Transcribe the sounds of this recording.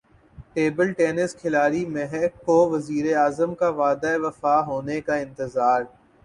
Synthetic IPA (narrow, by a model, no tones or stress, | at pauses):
ʈeːbəlʈeːnɪskʰɪlaːɾimɛɦɛkːoʋɐziːɾeaːzəmkaʋaːd̪aeʋɐfaːɦoːnekaɪ̃nt̪ɪzaːɾ